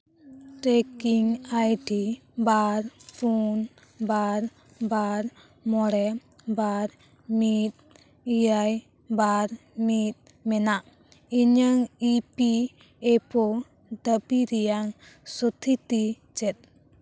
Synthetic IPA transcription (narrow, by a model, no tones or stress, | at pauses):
ʈɛkiŋajɖi | baɾpun | baɾ | baɾ | mɔɽɛ | baɾ | mit̪̚ | ijaj | baɾmit̪̚ | mɛnaʔ | iɲaŋipi | ɛpɔ | d̪əbiɾɛjaŋ | sɔt̪ʰit̪i | t͡ʃɛt̪̚